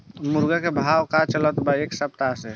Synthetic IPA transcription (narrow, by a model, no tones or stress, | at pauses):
muɾɡakebʱawkat͡ʃələt̪baeksəp̚t̪ase